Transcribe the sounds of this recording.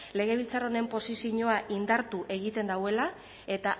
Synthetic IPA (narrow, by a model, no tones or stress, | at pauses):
le̞ɣ̞e̞β̞ilt͡saro̞ne̞mpo̞sisiɲoaʔind̪aɾt̪uʔe̞ɣit̪e̞nd̪awe̞la | e̞t̪a